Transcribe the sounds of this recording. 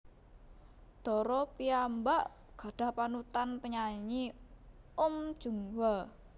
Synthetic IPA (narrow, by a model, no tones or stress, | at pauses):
d̪̥ɔ̤ɾɔpiambaʔ | ɡ̥a̤ɖ̥a̤hpanut̪anpəɲaɲi | um̥ʒ̥uŋwa